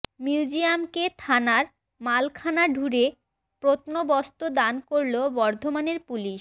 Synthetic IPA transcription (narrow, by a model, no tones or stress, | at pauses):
miud͡ʑiamket̪ʰanaɾ | malkʰanaɖʱuɾe | pɾot̪nobɔst̪od̪ankoɾlobɔɾd̪ʱomaneɾpuliʃ